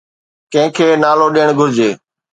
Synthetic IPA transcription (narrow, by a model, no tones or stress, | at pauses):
kə̃ɦɪ̃kʰeːnaːloːɗiːəɳ̃ɡʱʊɾd͡ʑeː